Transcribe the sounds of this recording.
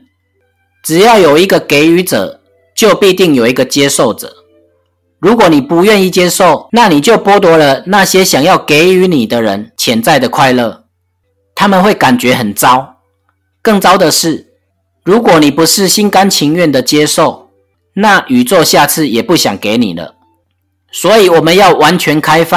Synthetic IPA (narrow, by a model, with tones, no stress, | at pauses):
ʈ͡ʂɻ̩˨˩jɑ˥˩ʊjo˨˩ʊi˦ɡə˨ke˧˥ɪy˧˥t͡sə̰˨˩ | t͡ɕjo˥˧ʊpi˥˧t̪i˥˨˩ŋjo˨˩ʊi˧˦ɡə˨t͡ɕjɛ˦ʂo˥˩ʊʈ͡ʂə̥̰˨˩ | ɻu˨˦kwɔ˨˦ni˨˩pu˨˦ɥɛ˥˧ni˥˨t͡ɕjɛ˥˦ʂo˥˨ʊna˥˨ni˨˩t͡ɕjo˥˩ʊpwɔ˦t̪wɔ˧˥lə˨na˥˨ɕjɛ˦ɕja˨˩ŋjɑ˥˩ʊke˨˦ɪy˧˦ni˨˩d̪ə˦ɻə̰˧˦nt͡ɕʰjɛ˨˦nt͡sa˥˩ɪd̪ə˩kʰwa˥˧ɪlə̰˥˨ | t̪ʰa˦mə˨nxwe˥˩ɪka˨˩nt͡ɕɥɛ˨˦xə˨˩nt͡sɑ˦ʊ | kɤ˥˩ŋt͡sɑ˥ʊd̪ə˨ʂɻ̩˥˩ | ɻu˨˦kwɔ˨˩ni˨˩pu˨˦ʂɻ̩˥˨ɕi˦˥nka˦nt͡ɕʰi˧˥ŋɥɛ˥˨nd̪ə˨˩t͡ɕjɛ˥˦ʂo˥˩ʊ | na˥˨ʔy˨˩t͡swɔ˥˧ɕja˥˧t͡sʰɹ̩˥˩jɛ˨˩pu˥˩ɕja̰˨˩ŋke˧˦ɪnḭ˨˩lə̰˦ | swɔ˧˦i˨wɔ˨˩mə˨njɑ˥˩ʊwa˧˦nt͡ɕʰɥɛ˧˦nkʰa˦˥ɪfa˥˨